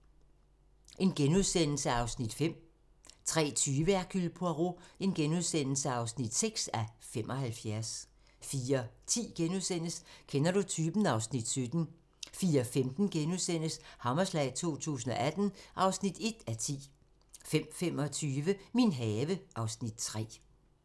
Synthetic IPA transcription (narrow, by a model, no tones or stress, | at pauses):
ʔe̝nɡ̥enuðˠsen̰l̩səɑ̈ʊsnid̥fem̰ | t͡sʰʁɛ̰ːt͡sʰyːʋəæɐɡ̥ʰylpʰoæʁo̝e̝nɡ̥enuðˠsen̰l̩səɑ̈ʊsnid̥seɡ̥sæfem̰ʔɒ̽hælfjæɐs | fiːɐt͡sʰḭːɡ̥enuðˠsen̰əskʰenɐɾ̥ut͡sʰyːb̥n̩ɑ̈ʊsnid̥sød̥n̩ | fiːɐfemd̥n̩ɡ̥enuðˠsen̰əshɑ̈mɐslɛɪ̰t͡sʰo̝̰ːt͡sʰṵːs̬n̩ɒ̽ʔæd̥n̩ʔɑ̈ʊsnid̥e̝d̥æt͡sʰḭː | fem̰fem̰ɒ̽t͡sʰyːʋəminɦɛːʋəʔɑ̈ʊsnid̥t͡sʰʁɛ̰ː